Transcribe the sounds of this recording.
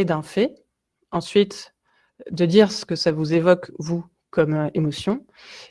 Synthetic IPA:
ed̪ɛ̃fɛ | ɑ̃sɥit̪ | d̪əd̪iʁsə̥kəsavuzevɔkvu | kɔmemɔsjɔ̃

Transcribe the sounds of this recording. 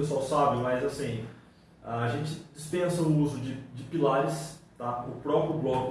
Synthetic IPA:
esuawsabɪmɐjzasĩ | aaʒẽnt͡ʃɪd͡ʒɪspẽsɐnʊuzʊd͡ʒɪd͡ʒɪpilaɾɪst̪aʊpɾɔpɾɪjʊblɔk

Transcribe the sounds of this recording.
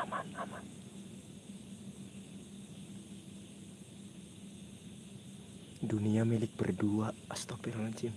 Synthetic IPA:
manaman | duniamilɪk̚b̥ə̰rduaast̪ɔpiɾlaɲt͡ʃɪm

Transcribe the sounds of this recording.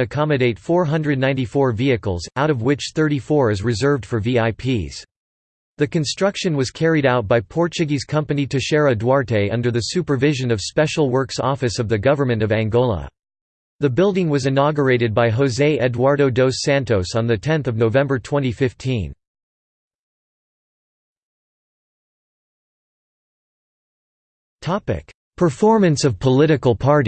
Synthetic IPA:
ɨkʰɑmɨɾeɪtfɔɹɦʌ̃ndɹɨdⁿnãɪ̃ntifɔɹviɨkl̩ˠzaʊɾʌvwɪt͡ʃθɜ˞ɾifɔɹɨzɹɨzɜ˞vd̥fə˞viaɪpʰiz̥ | ðɨkɨ̃n̩stɹ̥ʌkʃɨ̃nwʌz̥kʰɛɹiɾaʊt̚b̥aɪpʰɔɹt͡ʃɨɡiz̥kʰʌ̃mpɨniɾɨʃɛɹɨdwɑɹɾeɪʌ̃ndə˞ðɨsʉpə˞vɪʒɨ̃nʌv̥spɛʃl̩ˠwɜ˞ksɔfɨsʌvðɨɡʌvə˞mɨ̃ntʌvæ̃ŋɡolˠə̰ | ðɨbɪlˠdɪ̃ŋwʌzɨnɑɡə˞eɪɾɨd̚baɪɦoʊzeɪʔɛdwɑɹɾoʊdoʊsæ̃ntoʊsn̩ðɨtʰɛ̃nθʌvnoʊvɛ̃mbə˞tʰw̥ɛ̃ɾ̃ifɪftʰĩn | tʰɑpɪ̰k | pʰə˞fɔɹmɨ̃nsʌv̥pʰəlɪɾɨkl̩ˠpʰɑɹɾi

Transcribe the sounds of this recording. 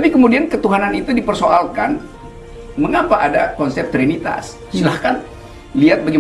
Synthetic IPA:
t̪apikəmudiankət̪uɦananit̪udipərsoalkan | məŋapaʔadakɔnsɛp̚t̪ɾinit̪a̰s | silahkan | liat̪̚baɡi

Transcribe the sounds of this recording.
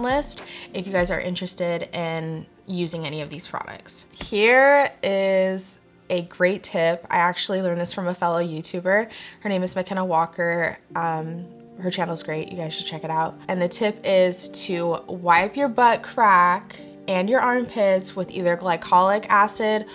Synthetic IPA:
lɪstɨfjɨɡaɪzə̰˞ʔɪ̰̃nt͡ʃɹ̥ɨstɪɾɪ̃n | jʉzɪ̃ŋɛñiʌvðiz̥pʰɹ̥ɑ̰ɾʌ̰k̚tshiɹɪz | ɨɡɹeɪtʰɪpa̰ɪæk̚t͡ʃul̩ˠilɜ̃˞nðɪsfɹʌ̃məfɛlˠoʊjʉtʰʉbə˞hə˞nẽɪ̃mɨzmɨkʰɛñəwɔkʰə˞ʔʌ̃m | hə˞t͡ʃʰæ̃nl̩ˠzɡɹeɪʔjʔɨ̰ɡaɪz̥ʃd̥̚t͡ʃʰɛkɨɾaʊt̚ɨ̃nðɨtʰɪpɪz̥tʰɨwaɪpjə˞bʌt̚kʰɹ̥æk | ɨ̃njə˞ʔɑ̃ɹmpʰɪtswəðḭðə˞laɪkʰɑlˠɪkæsɪd̥̚

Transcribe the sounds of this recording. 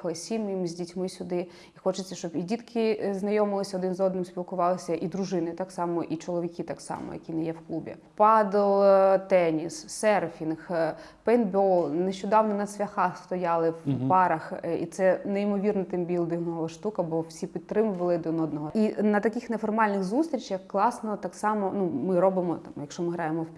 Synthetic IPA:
xˠɪsʲimimzʲdʲitʲmɪsʲʊd̪ɪ | ixɔt͡ʃɪt͡sʲːɐʃt͡ʃɔbidʲit̪kʰɪznɐjɔmɪlˠɪsʲɐɔd̪ɪnzɔd̪nɪmspʲilˠkʊʋɑlˠɪsʲɐʔid̪ɾʊʒɪnɪt̪ɑksɑmɔʔit͡ʃɔlˠɔʋʲikʲɪt̪ɑksɑ̰mɔ̰jɐ̰kʲinɛjɛwklˠubʲḭ | pɑd̪lˠt̪ɛnʲisːɛrfʲinx | pɛnbɔlˠneʃt͡ʃʊd̪ɑwnɔnɐd̪sʲʋʲɐxɑst̪ɔjɑlˠɪwpɑɾɐxḭt̪sɛneimɔʋʲirnɔt̪ɪmbʲilˠd̪ɪɦnɔɦɔɔʃt̪ukɐbɔwsʲipʲit̪ːɾɪmʊʋɐlˠɪd̪nɔd̪nɔɦɔinɐt̪ɐkɪxnefɔrmɑlʲnɪɣzust̪ɾʲit͡ʃjɐxklˠɑsnɔt̪ɑksɑmɔnumɪɾɔbɪmɔt̪mjɐkʃɔmɪɦɾɑjemɔw

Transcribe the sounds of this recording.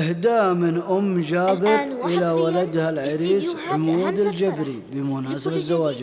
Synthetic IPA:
ɪhd̪aːmɪnʔʊmːd͡ʒaːbɪɾʔɪlawalad̪halʕɪɾiːsħʊmuːd̪ald͡ʒabɾibɪmʊnaːsɪbazːawaːd͡ʒ

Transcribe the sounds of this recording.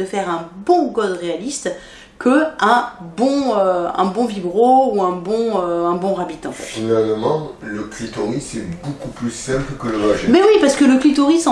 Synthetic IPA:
əfɛʁɛ̃bɔ̃ɡɔd̪ʁealist̪ | kʰəɛ̃bɔ̃øɛ̰̃bɔ̃vibʁouɛ̃bɔ̃øɛ̃bɔ̃ʁabit̪ɑ̃fɛ̰t̪finalmɑ̃ləklit̪ɔʁisɛbokuplysɛ̃pəkələʁaʒɛbɛwipaʁsə̥kələklit̪oʁisɑ̃

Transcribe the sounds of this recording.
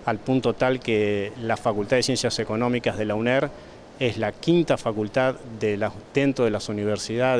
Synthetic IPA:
alpunt̪ot̪alkelafakult̪aðesjensjaseko̞nõ̞mikaɦðelawneɾ | eslakint̪afakult̪aððelad̪ent̪ɾoðelasuniβ̞eɾsiða

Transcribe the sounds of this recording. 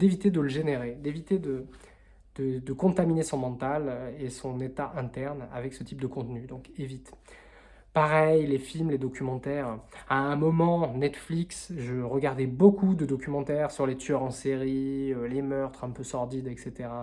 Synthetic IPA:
d̪evit̪ed̪ələʒeneʁed̪evit̪ed̪ə | d̪̥əd̪əkɔ̃t̪aminesɔ̃mɑ̃t̪alesɔ̃net̪aʔɛ̃t̪ɛʁna̰vɛksət̪ʰip̚d̪əkɔ̃t̪nyd̪ɔ̃kevit̪ | paʁɛjlefilmled̪ɔkʲʰymɑ̃t̪ɛʁaɛ̃mɔmɑ̃nɛt̪fliksʒəʁəɡaʁd̪ɛbokʰud̪əd̪ɔkʲymɑ̃t̪ɛʁsyʁlet̪yœʁɑ̃seʁiølemœʁt̪χɛ̃pøsɔʁd̪id̪ɛkset̪eʁa

